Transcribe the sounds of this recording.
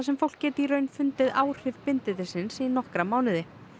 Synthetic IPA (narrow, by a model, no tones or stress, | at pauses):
asɛmfowl̥kccɛːt̪iɾœːɥnfʏnt̪ɪðaːwr̥ɪvpɪnt̪ɪt̪ɪsɪnsinɔhkɾamaːwnɪðɪ